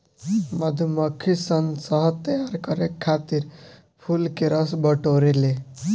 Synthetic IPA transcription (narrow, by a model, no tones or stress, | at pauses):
mʌd̪ʱumʌkʰːisənsʌɦt̪əjaɾkʌɾekʰːat̪iɾ | pʰulkeɾʌsbəʈoɾele